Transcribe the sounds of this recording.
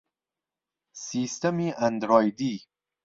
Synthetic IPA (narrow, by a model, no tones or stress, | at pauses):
sist̪amiand̪ɾɔːjd̪i